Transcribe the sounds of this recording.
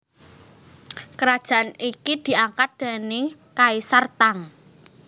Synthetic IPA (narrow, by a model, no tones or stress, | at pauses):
kəɾad̥ʒ̥a̤anikid̪̥i̤aŋkat̪̚d̪̥a̤nekaisart̪aŋ